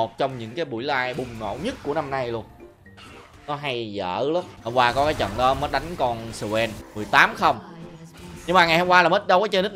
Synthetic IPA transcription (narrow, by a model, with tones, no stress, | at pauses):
o˨˩t̚t͡ɕɔ˧wŋ͡mɲɨ̰˧˥ŋkaː˨˦jɓṵ˧˩əjlaː˧jɓʊ˨˩ŋ͡mŋo̰˧˨wɲɨ˦˥t̚ku˧˩əna˧mna˧jlu˧ən | nɔ˨˦ɦa˧jzə̰ː˧˩lɔ˨˦hɔ˨˩waː˧kɔ˨˦kaː˨˦jt͡ɕə̰˧˨nɗɔ˨˦məː˦˥t̚ɗa˨˦jŋ̟kɔ˧nsə˧wɛ˧nmɨ˨˩əjt̪aː˨˦mxə˧wŋ͡m | ɲɨ˧ŋmaː˨˩ŋa˨˩jhŋ͡mkwaː˧laː˨˩mə˦˥t̚ɗə˨˦wt͡ɕɔ˧nɨ˦˥k̚